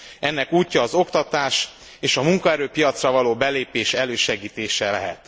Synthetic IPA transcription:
ɛnːɛkuːcːɒːzo̞kt̪ɒt̪aːʃ | eːʃɒmuŋkɒɛɾøːpijɒt̪srɒvɒloːbɛleːpeːʃɛløːʃɛɡiːt̪eːʃɛlɛ̰ɦɛ̰t̪

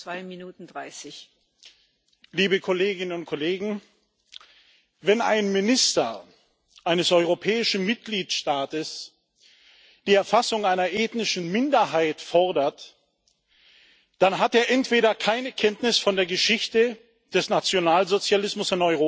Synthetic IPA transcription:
v̥aɪminuːtn̩dʁaɪsɪç | liːbəkʰoleːɡɪnənʊnt̚kʰoleːɡŋ̩ | vɛnʔa̰ɪnmɪnɪstɐ | ʔaɪnəsʔɔʏʁopʰɛːɪʃn̩mɪt̚ɡ̥liːtʃtaːtəs | d̥iːɛɐfasʊŋaɪnɐʔeːtnɪʃn̩mɪndɐɦaɪtfɔɐdɐt | d̥anɦateːɐʔɛntv̥eːɾɐkʰaɪnəkʰɛntnɪsfɔndeːɐɡəʃɪçtə | d̥ɛsnat͡sjonaːlzot͡sjalɪsmʊsɪnɔʏʁoː

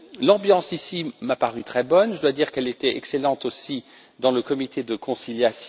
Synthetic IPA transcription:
lɑ̃bjɑ̃sisimapaʁyt̪χɛbɔnʒəd̪wad̪iʁkɛlet̪ɛɛ̰kselɑ̃t̪osi | d̪ɑ̃ləkɔmit̪ed̪əkɔ̃siljasj

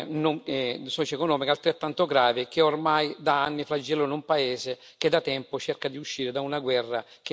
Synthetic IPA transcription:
noŋsɔt͡ʃekonɔːmikalt̪ɾet̪ːant̪oɡɾaːvɪk̟eormajd̪aanːifɾad͡ʒːɛlːonumpaeːze | k̟ed̪at̪ɛmpot͡ʃerkad̪iuʃːiːɾed̪aunaɡwɛrːak̟e

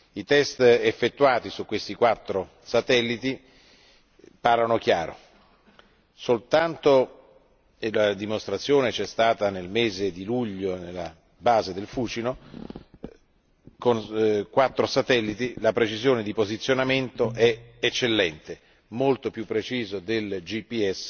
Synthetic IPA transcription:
it̪ɛst̪efːet̪ːuaːt̪isukːwest̪ikwat̪ːɾo | sat̪ɛlːit̪i | parlːanok̟jaːɾo̰ | solt̪ant̪o | elad̪imost̪ɾat̪sːjoːnet͡ʃɛst̪aːt̪anelmeːzed̪iluʎːonelːa | baːzed̪elfuːt͡ʃino | konkwat̪ːɾosat̪ɛlːit̪ilapɾet͡ʃizjoːned̪ipozit̪sːjonament̪oʔɛet͡ʃːelːɛnt̪e | molt̪opjupːɾet͡ʃiːzod̪eld͡ʒipːiɛsː

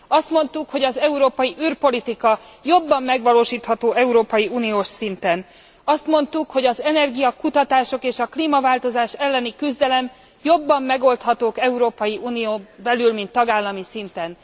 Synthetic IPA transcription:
ɒst̪mo̞nt̪ukho̞ɟɒzɛuɾoːpɒjiʔyrpo̞lit̪ikɒjo̞bːɒmːɛɡʋɒloːʃiːt̪hɒt̪oːɛuɾoːpɒjiuːnijoːʃsint̪ɛn | ɒst̪mo̞nt̪ukho̞ɟɒzɛnɛrɡijɒkut̪ɒt̪aːʃo̞keːʃɒkliːmɒvaːlt̪o̞zaːʃɛlːɛnikyzd̪ɛlɛm | jo̞bːɒmːɛɡo̞lt̪hɒt̪oːkɛuɾoːpɒjiuːnijoːbɛlylmint̪ːɒɡaːlːɒmisint̪ɛn

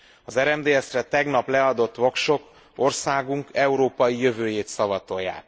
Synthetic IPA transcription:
ɒzɛɾɛmd̪eːɛsrɛt̪ɛɡn̪ɒplɛɒd̪o̞t̪ːʋo̞kʃo̞p | o̞rsaːɡuŋkɛuɾoːpɒjijø̞vøːjeːt̪sɒvɒt̪o̞jːa̰ːk̪

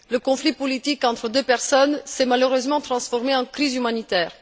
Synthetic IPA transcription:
ləkɔ̃flipɔlit̪ikɑ̃t̪χəd̪øpɛʁsɔnsɛmaløʁøzmɑ̃t̪χɑ̃sfɔʁmeɑ̃kχizymanit̪ɛːʁ

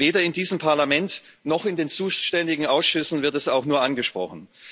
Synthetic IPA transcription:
veːdɐɪndiːzəmpʰaɐlamɛnt | nɔχɪndeːnt͡suːʃtɛndɪɡŋ̩aʊsʃʏsn̩vɪɐtɛsaʊxnuːɐʔanɡəʃpʁ̥ɔ̰χn̩

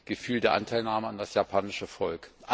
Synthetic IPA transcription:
ɡ̥əfyːldeːɐʔa̰ntʰaɪlnaːməandasjapʰaːnɪʃəfɔlkʔ

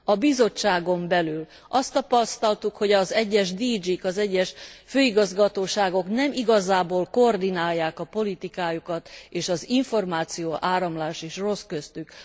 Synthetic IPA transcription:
ɒbizo̞t͡ʃːaːɡo̞mbɛlyl | ɒst̪ːɒpɒst̪ɒlt̪ukho̞ɟɒzɛɟːɛʒd̪iːd͡ʒikɒzɛɟːɛʃføːiɡɒzɡɒt̪oːʃaːɡo̞knɛmiɡɒzaːboːlkord̪inaːjːaːkɒpo̞lit̪ikaːjukɒt̪eːʃɒziɱfo̞rmaːt̪sijoːʔaːɾɒmlaːʃeːʃro̞skøst̪yk

